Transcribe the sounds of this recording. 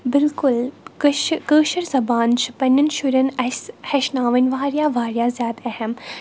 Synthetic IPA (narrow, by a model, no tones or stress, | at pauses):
bɪlkʊlkʃkəːʃɐɾzɐbaːnt͡ʃʰi̥pɐnɐnʃuɾʲɐnɐhɐʃnaːʋɐnʲʋaːɾjaːʋaːɾjaːzʲjaːd̪ɐhɐm